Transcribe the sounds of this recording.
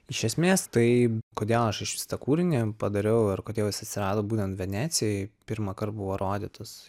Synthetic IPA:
ɪʃʲɛsʲmʲeːst̪ɐɪkoːd̪ʲeːlˠɐʃɪʃʋʲɪ̥st̪ɐkuːɾʲɪnʲepɐd̪ɐɾʲɛʊɐrkoːd̪ʲeːlˠɪsɐt̪ʲsʲɪɾɑːd̪oːbuːt̪ʲɛnt̪ʋʲɛnʲæːt̪sʲɪjɛɪpʲɪɾmɐkɐrt̪̚buʋoːɾoːd̪ʲit̪os

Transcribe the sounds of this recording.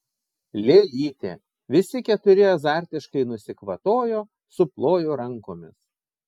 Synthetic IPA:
lʲeːlʲiːt̪ʲḛː | ʋʲɪsʲɪkʲɛt̪ʊɾʲɪɐzɑˑɾʲt̪ʲɪʃkɐɪnʊsʲɪkʋɐt̪oːjoː | sʊplˠoːjoːɾɐŋkoːmʲɪs

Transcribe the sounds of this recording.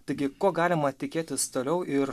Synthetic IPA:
t̪ɐɪɡʲɪkoːɡɑːlʲɪmɐt̪ʲɪkʲeːt̪ʲɪst̪oːlʲɛʊɪɾ

